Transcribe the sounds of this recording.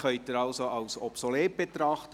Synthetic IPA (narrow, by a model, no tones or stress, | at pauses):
χœʏtɪɾɑlsoɑwsɔpsoleːp̚b̥et̪ɾɑχt̪ə